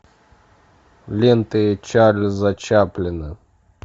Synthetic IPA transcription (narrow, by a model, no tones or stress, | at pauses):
lʲent̪ɨjet͡ɕalʲzɐt͡ɕaplʲɪnɨ